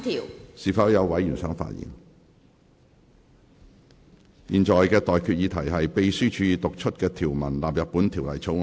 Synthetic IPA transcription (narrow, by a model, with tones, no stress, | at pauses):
t̪ʰiː˨˩wsiː˨˩fɐ˨˥wjɐ˨˧wwɐ˨˥jjyː˨˩nsœː˨˥ŋfa̰ː˧t̚jḭ˨ŋ | jiː˨˩nt͡ʃɔː˨˩jkɛː˧t̪ɔː˨jkʰyː˧t̚jiː˨˧t̪ʰɐ˨˩jɦɐ˨jpe˨˧jsyː˥t͡ʃʰyː˨˧jiː˧t̪oʊ˨k̚t͡ʃʰɵ˥t̚kɛː˧t̪ʰiː˨˩wmɐ˨˩nlaː˨p̚jɐ˨t̚pːu˨˥nt̪ʰi˨˩wlɐ̰˨˩jt͡sʰo˨˥